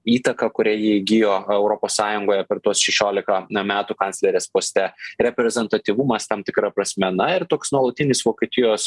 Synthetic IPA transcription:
iːt̪ɐkɐkʊɾʲæjiɪɡʲɪjoːɛʊɾoːpoːssɑːjʊŋɡoːjɛpʲɛɾt̪uɔsʃʲɛʃʲoːlʲɪkɐmʲæːt̪ʊkɐnʲtsʲlʲɛɾʲeːspoːsʲt̪ʲɛɾʲɛpʲɾʲɛzʲɛnt̪ɐt̪ʲiʋʊmɐst̪ɐmt̪ʲɪkɾɐpɾɐsʲmʲɛnɐɪrt̪oːksnuɔlˠɐt̪ʲɪnʲɪsʋoːkʲeːt̪ʲɪjoːs

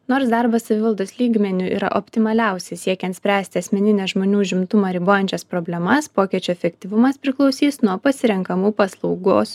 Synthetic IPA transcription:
noːɾsd̪ɑɾbɐssɐʋʲɪʋɐlˠd̪oːslʲiːɡmʲɛnʲʊḭːɾɐ̰ʔopʲt̪ʲɪmɐlʲɛˑʊsʲɛɪsʲiɛkʲɛnt̪sʲpʲɾʲæːsʲt̪ʲɪɐsʲmʲɛnʲɪnʲɛʒmoːnʲuːʒʲɪmt̪ʊmɑɾʲɪboːjɛnʲt͡ʃʲɛspɾobʲlʲɛmɐspoːkʲiɛt͡ʃʲoːɛfʲɛkʲt̪ʲɪʋʊmɐspʲɾʲɪklˠɒʊsʲiːsnuɔpɐsʲɪɾʲɛŋkɐmuːpɐslˠɒʊɡoːs

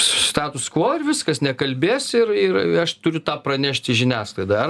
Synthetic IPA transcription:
sst̪ɑːt̪ʊskʋoːɪrʋʲɪskɐsnʲɛkɐlʲbʲeːsɪrɪrɐʃt̪ʊɾʲʊt̪ɑːpɾɐnʲæʃʲt̪ʲɪʒʲɪnʲæːslˠɐɪd̪ɑɐr

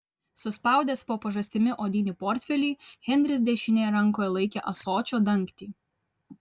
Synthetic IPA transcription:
sʊspɐˑʊd̪ʲeːspoːpɐʒɐsʲt̪ʲɪmʲɪʔoːd̪ʲiːnʲɪːpɔɾʲt̪ʲfʲɛlʲiːɣʲɛnʲd̪ʲɾʲɪs̬ʲd̪ʲɛʃʲɪnʲeːjɛɾɐŋˑkoːjɛlˠɐɪkʲeːʔɐsoːt͡ʃʲoːd̪ɐŋˑkt̪ʲiː

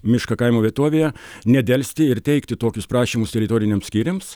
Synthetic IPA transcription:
mʲɪʃkɐkɐɪmoːʋʲiɛt̪oɔʋʲeːjɛnʲɛd̪ʲɛlʲsʲt̪ʲɪɪɾt̪ʲɛɪkt̪ʲɪt̪oːkʲʊspɾɑːʃʲimʊst̪ʲɛɾʲɪt̪oːɾʲɪnʲemsʲkʲiːɾʲems

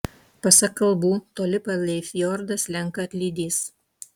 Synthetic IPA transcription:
pɐsɐkːɐlˠbuːt̪oːlʲɪpɐlʲɛɪfʲjɔɾd̪ɐslʲɛŋkɐɐt̪ʲlʲiːd̪ʲiːs

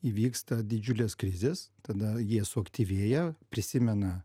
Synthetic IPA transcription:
iːʋʲiːkst̪ɐd̪ʲɪd͡ʒʲʊlʲeːskɾʲɪzʲeːst̪ɐd̪ɐjiɛsʊɐkt̪ʲiːʋʲeːjɛpʲɾʲɪsʲɪmʲɛnɐ

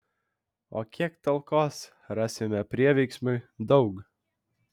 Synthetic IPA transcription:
o̰ːkʲiɛkt̪ɐlˠkoːs | ɾɑːsʲɪmʲɛpʲɾʲiɛʋʲɛɪksmʊɪd̪ɒʊk

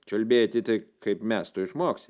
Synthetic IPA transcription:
t͡ʃʲɐlʲbʲeːjot̪ʲɪt̪ɐɪkɐɪpmʲæst̪ʊɪʃmoːksʲ

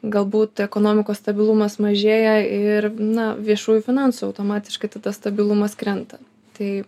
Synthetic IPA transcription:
ɡɐlˠbuːt̪ɛkoːnoːmʲɪkoːsst̪ɐbʲɪlˠumɐsmɐʒʲeːjɛɪɾnɐʋʲiɛʃuːjʊfʲɪnɑnsuɐʊt̪oːmɑːt̪ʲɪ̥ʃkɐɪt̪ɐd̪ɐst̪ɐbʲɪlˠumɐskɾʲɛnt̪ɐ | t̪ɐɪ

